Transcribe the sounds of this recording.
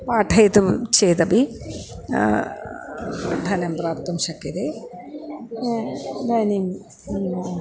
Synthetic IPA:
paːʈʰɐjt̪umt͡ʃeːt̪ɐbi | d̪ʱɐnɐmpɾaːpt̪ːumʃɐkːɐɾe | d̪ʱɐnim

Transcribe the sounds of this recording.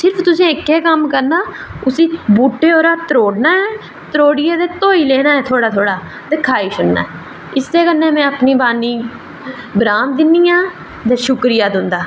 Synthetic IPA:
sɪɾpʰt̪ʊsẽːɪkːɛːkəmkəɾnaːʊsĩːbuːʈːeːoːɾaːt̪əɾoːɽnaːɛː | t̪əɾoːɽɪjeːd̪eːt̪oːiːleːnaːɛːt̪ʰoːɽaːt̪ʰoːɽaː | d̪ɪkʰaːiːsʊnna̰ːɛ | ɪst̪eːkənːẽːmɛ̃ːəpniːbaːniː | bɾaːn̚d̪ɪnːiːjãː | t̪ɛ̃ːʃʊkɾɪjaːd̪ʊ̃nd̪aː

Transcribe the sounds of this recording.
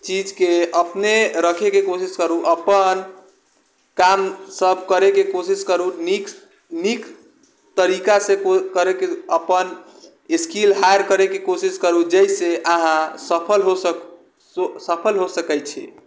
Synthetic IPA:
t͡ʃid͡ʒkeʔəpneɾəkʰekekosiskəɾuʔəpən | kamsəbʱkəɾekekosiskəɾunik | nik | t̪əɾikasẽokəɾekeəpən | iskilɦajəɾkəɾekekosiskəɾud͡ʒɛjseʔaɦãsəpʰəlɦo | osəpʰəlɦosəkɛjt͡ʃʰɛ̰

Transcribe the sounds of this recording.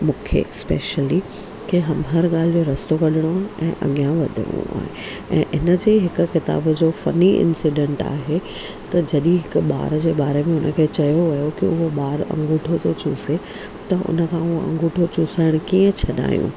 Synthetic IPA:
mũːkʰḛspḛːʃəli | kʰeɦɐmɦɐɾɠaːl̤joɾɐst̪okɐɗɪɽ̃oaːɦɪ̃ʔɛ̃ːʔɐ̰ɠijãʋɐd̪ʱɪ̰ɽ̃ṵa̰ːɦḛ | ɛ̰̃ːʔɪnəd͡ʑeːɦɪkʊ̆xɪt̪a̰ːbd͡ʑoːfɐniʔɪ̰̃nsiɖẽːɳʈa̰ːɦe | t̪ɐd͡ʑɐɗĩɦɪkʊɓa̰ːɾd͡ʑeːɓaːɾemẽʊnə̆kʰeːt͡ɕɐjoʋɐjokɪʊɦoɓaːɾɐ̰̃ŋɡʱuʈʰot̪ʰot͡ɕuse | t̪ɐʔʊ̰nə̆kʰãːʊɦoʔɐ̰̃ŋɡʱuʈʰot͡ɕuːsaːɪɽ̃ʊkiːə̃t͡ɕʰɐɗa̰ːjṵ̃

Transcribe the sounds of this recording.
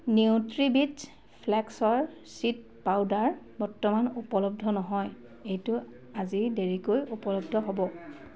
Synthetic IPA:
newtɹibis | pʰlɛksɔɹ | sit̚ | pawdaɹbɔɹtɔmanupɔlɔb̚dʱɔnɔɦɔj | ejtʊ | azideɹikojupɔlɔb̚dʱɔɦɔbɔ

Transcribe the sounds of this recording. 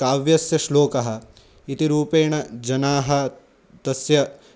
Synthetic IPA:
kaːʋjɐsjɐʃloːkɐɦɐ̆ | it̪iɾuːpeːɳɐd͡ʒɐnaːɦɐ | t̪ɐsjɐ

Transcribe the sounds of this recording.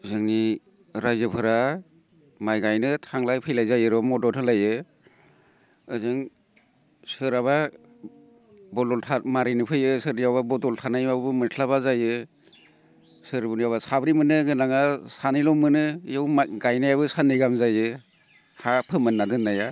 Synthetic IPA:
ɯzɯŋni | ɾajzɯpʰɯɾa | majɡajnɯtʰaŋlajpʰɯjlajzajɯɾɔmɔdɔtʰɯlajɯ | ɯzɯŋ | sɯɾaβa | bɔdɔltʰamaɾinɯpʰɯjɯsɯɾnijawbabɔdɔltʰanajmabbɯmɯtʰlaβazajɯ | sɯɾbɯnijawβasabɾimɯnɯɡɯnaŋasanɯjlɔmːɯnɯjawɡajnajabɯsanɯjɡamzajɯ | hapʰɯmɯnːadɯnːaja

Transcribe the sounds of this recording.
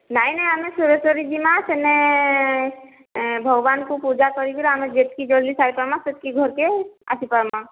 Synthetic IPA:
najnajamesuɾesəɾid͡ʒimasene | bʱɔɡbankupud͡ʒakɔɾib̪ʰilamed͡ʒet̪kid͡ʒolisaipəɾmãset̪̚kiɡʱɔɾkea̰sʰipaɾma

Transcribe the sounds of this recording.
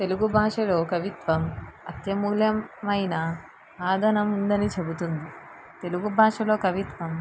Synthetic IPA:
t̪eluɡubʱaːʂɐlo̞ːkɐʋit̪ʋɐmɐt̪jɐmuːljɐmɐjnɐ | aːd̪ʱɐnɐmund̪ɐnit͡ʃe̞but̪und̪i | t̪e̞luɡubʱaːʂɐlo̞ːkɐʋit̪ʋɐm

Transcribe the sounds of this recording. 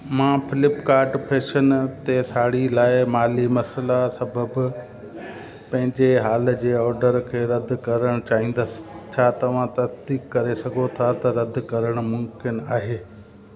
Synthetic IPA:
mãːfɪlɪpkaːɾʈpʰeːʃənt̪esaːɽilaːɪmaːlimɐslasɐbʱəb | pɐ̃ɦɪ̃ɲd͡ʑeɦaːl̆d͡ʑeːɔːɾɖəɾkʰeːɾɐd̪ʱkɐɾəɽ̃t͡ɕaːɦĩːn̆d̪əsɪ̥̆t͡ɕʰaːt̪ɐʋ̤ãt̪ɐsd̪iːkːɐɾesɐɡʱot̪ʰat̪ɐɾɐd̪ʱkɐɾəɽ̃̆mʊmkɪnaːɦeː

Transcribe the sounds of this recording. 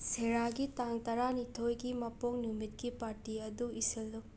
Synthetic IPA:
seɾaɡitaŋtɐɾanitʰojɡimɐpoŋnumit̚kipaɾtiɐduisilːu

